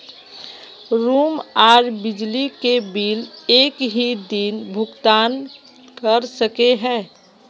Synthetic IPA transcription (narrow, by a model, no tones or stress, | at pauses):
ɾuːmaɾbɪd͡ʒlikebiːleːkɦid̪inbʱʊɡt̪aːn | kəɾsəkeɦɛ̃ː